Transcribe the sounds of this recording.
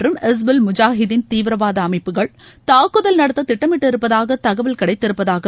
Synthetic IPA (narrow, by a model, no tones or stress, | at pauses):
rɯmɛs̬bɪlmʊd͡ʒaːɦɪðɪnt̪iːʋɪɾɐʋaːðɐɐmɐɪpːɯɣɐɭt̪aːkːɯðɐlnɐɽɐt̪ːɐt̪ɪʈːɐmɪʈːɪɾɯpːɐðaːɣɐt̪ɐɣɐʋɪlkɐɽɐɪt̪ːɪɾɯpːɐðaːɣɐ